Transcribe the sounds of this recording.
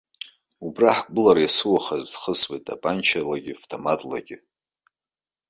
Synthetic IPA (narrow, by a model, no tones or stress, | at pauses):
ubraħɡʷɨlaɾajasɨwaχazʷdχəswejtʼa̰pʼant͡ʃʰalaɡʲɪftʰʼomatʼla̰ɡʲɪ